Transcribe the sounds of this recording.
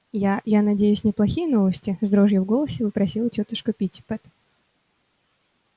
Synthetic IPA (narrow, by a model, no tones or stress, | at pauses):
jajanɐdʲejʉsʲnʲɪplˠɐxʲijəno̞vəsʲtʲɪzd̪ɾoʐjəvɡolˠəsʲɪpəpɾɐsʲilˠətʲot̪əʂkəpʲitʲpɛt̪